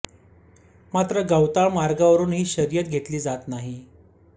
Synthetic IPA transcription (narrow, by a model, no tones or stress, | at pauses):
mat̪ɾəɡawt̪aɭmaɾɡaʋəɾuːnɦiːɕəɾjət̪ɡʱet̪liːd͡zat̪naɦi